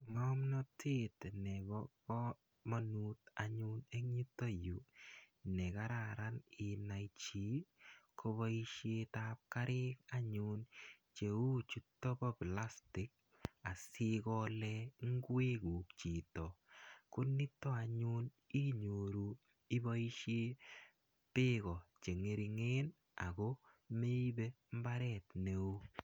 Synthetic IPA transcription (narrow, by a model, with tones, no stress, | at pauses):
ŋɔ˦mnɔ˦tʰi˦tnɛ˨bɔkɔ˦ | ma˦nutaɲu˦ne˦kɲi˦tːo˦ju˨ | nɛ˨ka˦ɾa˨ɾa˦nɪ˨na˨it͡ʃi˨˦kʰo˧βɔ˦i˦ʃetap̚ka˦ɾʔɪ˦ka˦ɲu˦n | t͡ʃe˨u˦t͡ʃu˦tːɔ˦bɔ˦pla˦stɪ˦k̚ | a˨sɪ˦kɔ˧lɛŋ˦ɡwe˦ɡu˨kt͡ʃi˨tɔ˨kʊ˦nːɪ˦tːɔ˦a˨ɲu˦n | i˦ɲo˨ɾu˨ | ɪ˦ba˦i˦ʃe˦ | pɪ˦ɣɔ˨t͡ʃe˨ŋe˨ɾi˨ŋe˦n | a̰˨ɡo˦ | me˦i˦be˦ | m̩˦ba˦ɾɛ˨tne˨u˦